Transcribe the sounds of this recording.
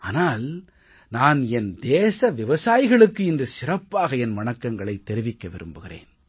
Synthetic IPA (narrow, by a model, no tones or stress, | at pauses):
aːnaːl | naːnɛnd̪eːsɐʋɪʋɐsaːjɪɣɐɭɯkːɯɪndɯsɪrɐpːaːɣɐɛnmɐnɐkːɐŋɡɐɭɐɪt̪ːɛɾɪʋɪkːɐʋɪɾɯ̰mbɯɣɪrḛːn